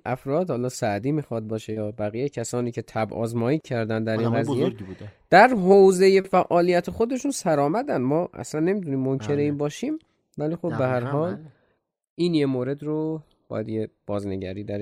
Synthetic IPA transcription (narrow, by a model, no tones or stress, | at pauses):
ʔæfɾɒːd̪hɒːlɒːsæʔd̪iːmiːxɒd̪̚bɒːʃejɒːbæɣiːjecʰæsɒːniːcʰe̞t̪ʰæbʔɒ̰ːzmɒːjicʰæɾd̪ænd̪d̪æɾinɢæzijed̪̥æɾɦowze̞jefæʔɒːlijæt̪ʰexo̞d̪e̞ʃunsæɾɒːmæd̪ænd̪mɒːʔæ̰slænːe̞mid̪uniːmːoncʰe̞ɾeiːmbɒːʃiːm | væliːxo̞bːehæɾhɒːl | ʔinjemoːɾe̞d̪ɾo | bɒ̰ːjæd̪je̞b̥ɒːzne̞ɟæɾiːd̪æɾ